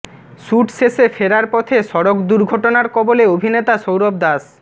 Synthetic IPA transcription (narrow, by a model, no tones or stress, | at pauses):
ʃuʈsesefeɾaɾpɔt̪ʰeʃɔɾokd̪uɾɡʱɔʈonaɾkɔboleobʱinet̪aʃowɾob̚d̪as